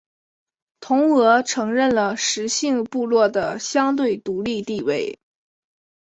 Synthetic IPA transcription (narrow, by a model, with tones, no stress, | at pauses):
t̪ʰʊ˧˥ŋɤ˧˥ʈ͡ʂʰɤ˧˥ŋɻə˥˩nlə˩ʂɻ̩˧˥ɕi˥˧ŋpu˥˧lwɔ˥˩d̪ə˩ɕjɑ˥ŋt̪we˥˩ɪt̪u˧˥li˥˧t̪i˥˧we˥˩ɪ